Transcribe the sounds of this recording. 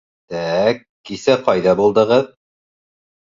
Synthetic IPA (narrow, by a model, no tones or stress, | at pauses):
t̪ækːisæqɑjðɑbulˠd̪ɤ̆ʁɤð